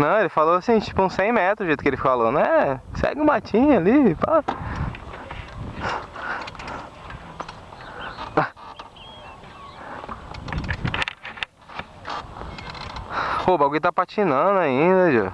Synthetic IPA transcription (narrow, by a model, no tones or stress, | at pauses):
nɐ̃w̃elɪfaloasĩt͡ʃi̥pʊũsẽj̃mɛt̪ɾʊʒejt̪ʊkelɪfikofalɐ̃nd̪ʊɛsɛ̰ɡɪũmat͡ʃĩɲalipa | pobaɡujt̪apat͡ʃinɐ̃d̪ʊaĩd̪ɐʒṵ